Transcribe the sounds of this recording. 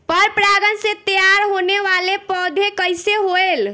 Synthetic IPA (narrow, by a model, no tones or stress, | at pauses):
pəɾpɾaɡənsẽt̪jaɾɦoneʋalepəd̪ʱekəjseɦoel